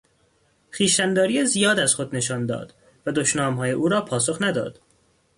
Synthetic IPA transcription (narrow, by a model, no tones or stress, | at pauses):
xiːʃænd̪ɒːɾijezijɒːd̪æz̥xo̞d̪ne̞ʃɒːnd̪ɒ̰ːd̪̥ | væd̪oʃnɒːmɦɒːjeʔuːɾɒːpʰɒːso̞xnæd̪ɒ̰ːd̪̥